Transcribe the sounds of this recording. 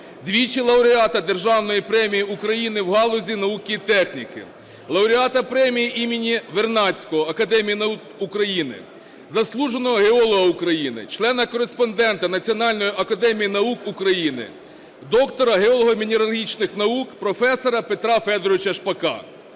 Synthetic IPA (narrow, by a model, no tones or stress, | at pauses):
d̪ʲʋʲit͡ʃilˠɐʊɾʲɪɑt̪ɐd̪e̞rʒɑwnɔjipɾɛmʲijiukɾɐjinɪwɦɑlˠɔzʲinɐukʲiit̪ɛxnʲikɪ̰ | lˠɐʊɾʲɪɑt̪ɐpɾɛmʲijiʔimʲɪnʲiʋe̞rnɑt͡sʲkɔɦɔɐkɐd̪ɛmʲijinɐukukɾɐjinɪ̰ | zɐslˠuʒenɔɦɔɦeɔlˠɔɦɐukɾɐjinɪ̰t͡ʃlˠɛnɐkɔɾespɔnd̪ɛnt̪ɐnɐt͡sʲiɔnɑlʲnɔjiʔɐkɐd̪ɛmʲijinɐukukɾɐjinɪ̰ | d̪ɔkt̪ɔɾɐɦeɔlˠɔɦɔmʲinʲeɾɐlˠɦʲit͡ʃnɪxnɐukpɾɔfɛsɔɾɐpet̪ɾɑfɛd̪ɔɾɔʋɪt͡ʃɐʃpɐkɑ̰